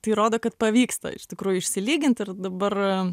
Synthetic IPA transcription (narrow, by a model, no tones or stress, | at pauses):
t̪ɐɪɾoːd̪oːkɐt̪̚pɐʋʲiːkst̪ɐ̰ɪ̰ʃʲt̪ʲɪkɾuːjʊɪʃʲsʲɪlʲiːɡʲɪnʲt̪ɪrd̪ɐbɐr